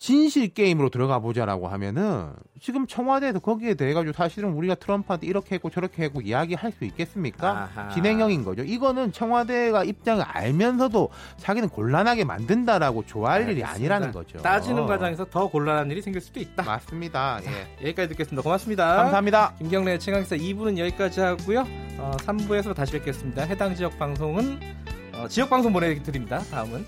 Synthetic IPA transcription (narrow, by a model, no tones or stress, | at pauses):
t͡ɕinɕʰiɭk͈e̞imɯɾotɯɾʌɡabod͡ʑaɾa̰ɡo̰hamjʌ̰nɯnt͡ɕiɡɯmt͡ɕʰʌŋɦwade̞sʰʌkʌɡie̞te̞ɦeɡad͡ʑiɡosʰaɕʰiɾɯnuɾiɡatʰɯɾʌmpʰadiiɾʌkʰe̞ɦeɡot͡ɕʌɾʌkʰe̞ɦeɡoijaɡihaɭs͈uik͈e̞s͈ɯmɲik͈aat͡ɕine̞ŋjʌŋinɡʌ̰d͡ʑoiɡʌnɯnt͡ɕʰʌŋɦwade̞ɡaip̚t͡ɕ͈aŋiʔa̰ɭmjʌnsʰʌdot͡ɕaɡinɯnkoɭːanɦaɡe̞ma̰ndɯndaɾaɡot͡ɕoaɦaʎːiɾḭa̰ɲiɾanɯnɡʌ̰d͡ʑo̰t͈ad͡ʑinɯnɡwad͡ʑaŋe̞sʰʌtʌkoɭːanɦaniɾisʰe̞ŋɡiɭs͈ud̥oit̚t͈ama̰s͈ɯmɲidaje̞̰jʌik͈ad͡ʑitɯkes͈ɯmɲidakomaks͈ɯmɲidakam̬ʰamɲidakimɡjʌŋnet͡ɕʰeŋaŋesʰʌibunɯnjʌik͈ad͡ʑihaɡujoʌsʰambue̞sʰʌotaɕʰibek͈es͈ɯmɲidaɦe̞daŋd͡ʑijʌk̚p͈aŋs̬ʰoŋɯn | ʌt͡ɕijʌk̚p͈aŋsʰoŋponetɯɾimɲidataɯmɯn